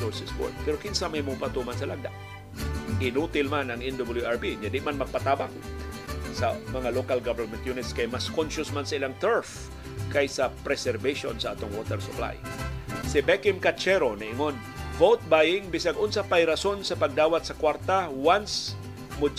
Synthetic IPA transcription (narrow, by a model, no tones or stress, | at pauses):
soɹsɛsko̰d̪̚pɛɾokɪnsamɐjmupat̪umansɐlaɡ̚d̪a̰ʔ | ʔɪnuːt̪ɪlmanɐŋɛnd̪obɪljuʔaɹbiɲad̪ɪʔmanmɐɡ̚pɐt̪aːbak̚ | sɐmɐŋalokalɡavɛɾmɛnt̪junɪt̪skajmaskonʃʊsmansɐʔɪlaŋt̪ɛɹf | kajsɐpɾɛsɛɾbeʃo̰nsɐʔat̪oŋwot̪ɛɾsʊpla̰jsɪbɛkɪmkat͡ʃɛɾonɐʔɪŋon | vowt̪̚bajɪŋbɪs̬aɡʔonsapajɾɐso̞nsɐpɐɡ̚d̪aːwɐt̪̚sɐkwaɾt̪awans | mʊd͡ʒ